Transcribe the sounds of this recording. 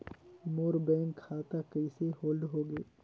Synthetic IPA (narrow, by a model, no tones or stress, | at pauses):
moːɾbɛ̃ːŋkʰːaːt̪akəɪsehoːlɖɦoːɡeː